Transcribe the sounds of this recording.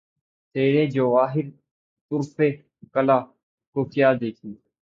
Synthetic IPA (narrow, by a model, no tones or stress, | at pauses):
t̪eːɾẽːd͡ʒəʋaːɦɪɾ | t̪ʊɾpʰeː | kəlaː | koːkjaːd̪eːkʰiː